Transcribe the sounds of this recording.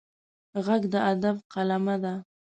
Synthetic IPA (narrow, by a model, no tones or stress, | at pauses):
ɣaɡd̪əad̪abqalamad̪a